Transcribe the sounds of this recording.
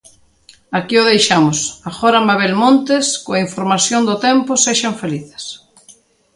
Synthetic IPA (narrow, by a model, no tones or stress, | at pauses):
akioð̞ejʃamʊsaxoɾambaβelmõnt̪eskoaiɱfoɾmasjond̪ʊt̪empʊseʃaɱfeliθe̥s